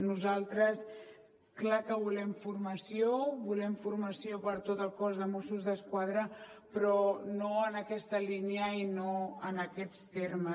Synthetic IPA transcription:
nuzalˠt̪ɾəs | klakəβulɛmfurməsioβulɛmfuɾməsiopəɾt̪ot̪əlˠkɔzðəmosuzðəskwað̞ɾəpɾɔnoənəkɛst̪əliniəinoənəkɛt͡st̪eɾmə

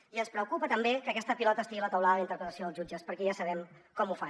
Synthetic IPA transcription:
iənspɾəukupət̪əmbekəkɛst̪əpilɔt̪əst̪iɣilət̪əwlaðəint̪əɾpɾət̪əsijoðəlˠzʒud͡ʒəspəɾkɛjasəβ̞ɛmkɔmufa

